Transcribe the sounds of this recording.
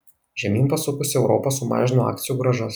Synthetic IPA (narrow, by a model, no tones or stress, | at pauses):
ʒʲɛmʲiːnpɐsʊkʊsʲɪɛʊɾɔposʊmɑ̰ːʒʲɪnoɑ̰ːkt̪sʲɪjuːɡɾɐʒɐs